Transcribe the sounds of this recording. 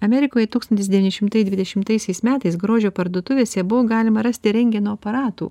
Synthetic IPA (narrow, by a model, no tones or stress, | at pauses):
ɐmʲɛɾʲɪkoːjɛt̪uːkst̪ɐnt̪ʲɪsd̪ʲɛʋʲiːnʲɪʃʲɪmt̪ɐɪd̪ʋʲɪd̪ʲɛʃʲɪmt̪ɐɪsʲɛɪsmʲæːt̪ɐɪsɡɾoːʒʲoːpɐɾd̪oːt̪ʊʋʲeːsʲɛbʊʋoːɡɑːlʲɪmɐɾɐsʲt̪ʲɪɾʲɛŋʲɡʲɛnuːɐpɐɾɑːt̪ṵː